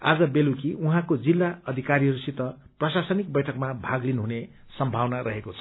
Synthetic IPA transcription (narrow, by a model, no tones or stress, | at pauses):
a̰d͡zʌbelukiuɦãkod͡zilːaʌd̪ʱikaɾiɦʌɾusit̪ʌ | prʌsasʌnik̚bʌjʈʰʌkmabʱaɡlinɦune | sʌmbʱawnaɾʌɦekot͡sʰʌ̥